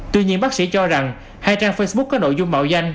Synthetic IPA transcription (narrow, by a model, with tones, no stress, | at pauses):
t̪wḭ˧˨ɲi˧ənɓaː˦˥k̚sḭ˧˥t͡ɕɔ˧za˨˩ŋ | haː˧jt͡ɕaː˧ŋfə˧jsɓʊ˦˥k̚ːɔː˨˦no̰˧˨jzʊ˧ŋ͡mma̰ː˧˨wza˧jŋ̟